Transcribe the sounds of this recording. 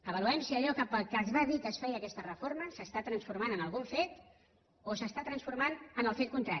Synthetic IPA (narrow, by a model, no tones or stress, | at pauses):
əβəluɛmsiəʎɔkəpəlˠkəzβaðikəsfɛjəkɛst̪ərəfoɾməsəst̪at̪ɾənsfuɾmanənəlˠɣ̞unfet̪ | osəst̪at̪ɾənsfuɾmanənəlˠfet̪kunt̪ɾa